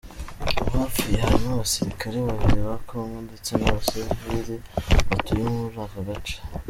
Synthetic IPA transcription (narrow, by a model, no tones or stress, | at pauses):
haːfiehaɾinaβasiɾikaɾeβaβiɾβakomondet͡senaβasezviɾeβatujomuzakaɡat͡ʃḁ